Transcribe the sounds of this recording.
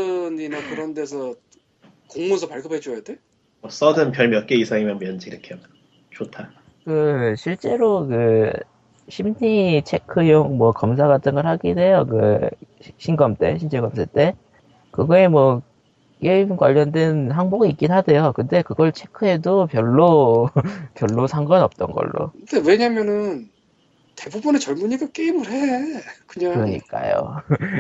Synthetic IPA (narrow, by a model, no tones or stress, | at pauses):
ɯninakɯɾʌnde̞sʰʌ | koŋmonsʰʌpaɭɡɯpʰed͡ʑojade | ʌs͈ʌdɯnpjʌɭmjʌk͈eisʰaŋimjʌnmjʌnd͡ʑiiɾʌkʰe | t͡ɕʰotʰa | kɯɕʰiɭt͡ɕ͈e̞ɾokɯ | ɕʰimdit͡ɕʰe̞kʰɯjoŋmwʌkʌms̬ʰaɣatʰɯnɡɯɭhaɡinwe̞jokɯ̰ | ɕʰinɡʌmt͈e̞̰ɕʰind͡ʑʰeɡʌmsʰat͈e̞ | kɯɡʌemwʌ | k͈eimkwaʎːʌndwe̞nhaŋboɡiik͈inɦadejokɯnde̞kɯɡʌɭt͡ɕʰe̞kʰɯe̞dopjʌɭːo | pjʌɭːosʰaŋɡʌnʌp̚t͈ʌnɡʌ̰ɭːo̰kɯnd̥ewe̞ɲamjʌnɯn | tebubunet͡ɕʌɭmuɲiɡak͈eimɯɾɦekɯɲakɯɾʌɲḭk͈a̰jo̰